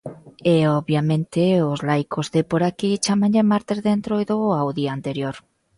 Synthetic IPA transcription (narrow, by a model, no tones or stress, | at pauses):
eoβjamẽnt̪eozlajkʰozðepoɾakit͡ʃamãɲʎemaɾt̪ezðent̪ɾoiðoawðiaːnt̪eɾjoɾ